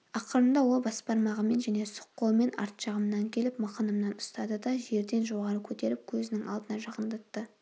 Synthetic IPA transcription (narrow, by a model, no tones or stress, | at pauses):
ɑqəɾəmd̪ɑwo̞lˠbɑspɑɾmɑʁəme̞nʒæne̞sʊ̥qːolˠme̞nɑ̰ɾt̪ʃɑʁəmnɑŋkʲʰe̞lɪpmɑqɑnəmnɑnʊ̥st̪ɑd̪əd̪ɑʒe̞ɾd̪e̞nʒo̞ʁɑɾəkʲʰɵt̪e̞ɾɪp̚kʲʰɵzɪnɪŋɑ̰lˠd̪ənɑʒɑqənd̪ɑt̪ːə